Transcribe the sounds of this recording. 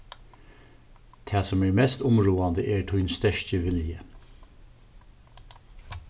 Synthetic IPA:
t̪ʰæːsɔmeːɹmɛst̪ʊmɹuːɑnd̪əʔeːɹʈʰʊʏnst̪œʃtəʋɪljə

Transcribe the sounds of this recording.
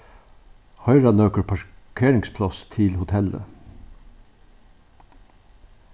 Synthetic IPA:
hœʏɹɑnøːkəɹpʰɑkʰeːɾɪŋspʰlɑst̪ʰɪlhʊt̪ʰɛlə̰

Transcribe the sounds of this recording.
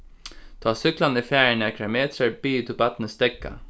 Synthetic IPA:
t̪ʰɑːsʏklɑniːfjæːəɳɛkʰɛmeːt̪ɾəɾbiːt̪ʰʊbɑt̪n̩əst̪ɛkːə̰

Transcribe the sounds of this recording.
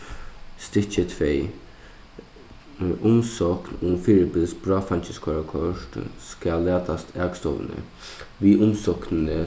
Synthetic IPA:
st̪ɪt͡ʃət̪ʰʋeː | ʔʊmsɔknʊfiːɾəbɪlsbɹɑːfant͡ʃɪskʰɔɹakʰɔʂt̪skalːæːt̪ʰast̪ʰɛːkst̪ɔ̰ʋ̰nə̰ | ʋiːʔʊmsɔknənə

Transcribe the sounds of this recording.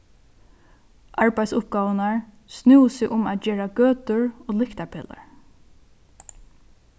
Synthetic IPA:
ʔaɹpæjt̪sʊp̚ɡɑːʋənaɹ | snuwsɪʔʊmæːt̪d͡ʒeːɹaɡøːt̪ʊɹoːlɪkt̪apʰɛːla̰ɹ

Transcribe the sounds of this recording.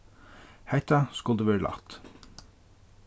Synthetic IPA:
hæɪt̪ɑskʉld̪ʉːʋeːɹəlɑ̰t̪

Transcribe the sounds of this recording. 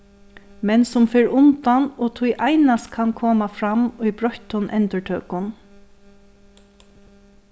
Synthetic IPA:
mɛnsʊmfɪɹʊnt̪anɔːt̪ʰʊjʔajnast̪kʰankʰoːmafɾamʊjbɹɔçt̪ʊnʔɛ̰nt̪əɹʈʰøːkʊn

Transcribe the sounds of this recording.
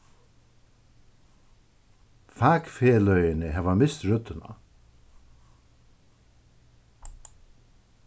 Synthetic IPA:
faːkfeːlœjɪnɪɦɛvamɪst̪ɾʏt̪ːɪna̰

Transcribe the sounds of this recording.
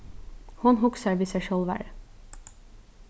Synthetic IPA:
hʊnɦʊksəɾʋiːsæɪʃøːlʋæ̰ːɾ

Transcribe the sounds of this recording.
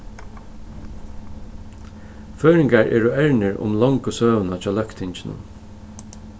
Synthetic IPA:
føːɹɪŋkaɹʔɛ̰ːɹʊɛɹnɪɹʊ̰mlɔŋkʊsøːʋnat͡ʃʰɑːlœkt̪ʰɪɲt͡ʃɪnʊ̰

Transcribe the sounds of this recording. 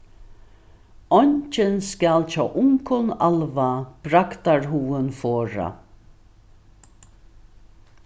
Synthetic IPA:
ɔɲt͡ʃɪnskalt͡ʃaːʔʊŋkʰɔnalvab̥ɾakt̪aɹɦuːɪnfɔːɾa̰

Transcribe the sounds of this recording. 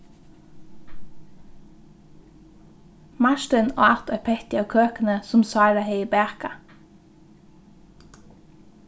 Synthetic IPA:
mɑʃtənoːɑt̪ʰɑpʰɛt̪ɪɑːkʰøːkən̩əsʊmsɑːɾɑheɪiːbæːʁkɑ

